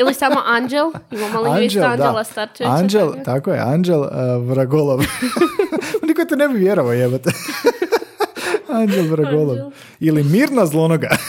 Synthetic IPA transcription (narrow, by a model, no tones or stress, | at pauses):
ilisamoʔand͡ʒelˠimamaland͡ʒand̪alˠasat͡ʃand͡ʒelˠt̪akojḛand͡ʒelˠʋɾaɡolˠoʋ | nikot̪enebiʋjeɾoʋaojebat̪e | and͡ʒelˠʋɾaɡolˠoʋ | ilimiːɾnazlˠonoɡa